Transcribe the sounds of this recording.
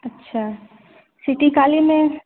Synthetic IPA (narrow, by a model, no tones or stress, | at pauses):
ɐtːʃʰaː | sɪʈikaːlimẽ